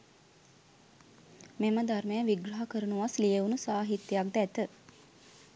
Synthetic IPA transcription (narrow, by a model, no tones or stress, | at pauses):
meməd̪armejəʋiɡɾɐɦakəɾunuʋaslijeʋunusaːɦit̪jejak̚d̪æt̪ə